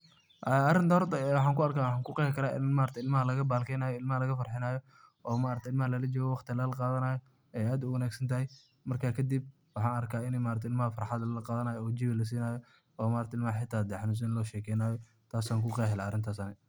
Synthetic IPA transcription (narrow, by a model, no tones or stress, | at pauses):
ʔaɐɾɪnt̪ɐhɔrt̪ʰɐɛwɑħɑːŋkʊɐrkaːwɑħɑːŋkʰʊqɛːkʰɐɾaːʔɪ̰nmaːɾɐt̪ʰɪlmɐɦɐlɐɣɐbaːlkʰɛjnaːjɔɪlmɐhɐlɐɣɐfɐrħɪnaːjɔ | ɔːmaːɾɐt̪ʰɛɪlmɐhɐlɐlɐd͡ʒɔːɣɔwɑqt̪ʰɪlɐlɐqɑːðɐnaːjɔ | ɛjaːd̪ʊwɐnaːɡsɐnt̪ʰɐhɛj | mɐrkʰaːkʰɐd̪ib̚ | wɑħɑːnɐrkʰaːɪnɛmaːɾɐt̪ʰɛɪlmɐhɐfɐɾħɑd̪ɐlɐlɐqɑːðɐnaːjɔɔːd͡ʒɪbɪlɐs̬iːnaːjɔ | ɔːmaːɾɐt̪ɛɪlmɐhɐħɪt̪ʰːaːd̪ɛħɑnus̬ɐnlɔːʃɛːkʰɛjnaːjɔ | t̪ʰaːsaːŋkʰʊqɛːɦɛlaːɐɾɪnt̪ʰaːsɐnɪ